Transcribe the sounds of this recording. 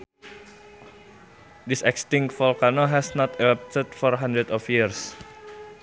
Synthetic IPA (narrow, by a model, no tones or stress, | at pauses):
disɛkst̪iŋkfɔlkanoɦɛsnɔt̪ɛlap̚t̪əd̚fɔɾɦand̪ɾət̪ɔfjirs